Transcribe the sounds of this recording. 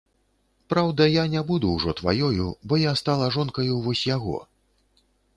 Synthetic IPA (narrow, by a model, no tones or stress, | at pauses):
pɾawd̪ɐjanʲabud̪uwʐɔt̪va̰jɔjubɔjast̪alˠɐʐɔnkɐjuvɔsʲjaɣɔ̰